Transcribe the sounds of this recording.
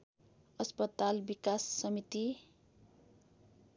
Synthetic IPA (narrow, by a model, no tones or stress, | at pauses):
ʌspʌt̪albikasːʌmit̪i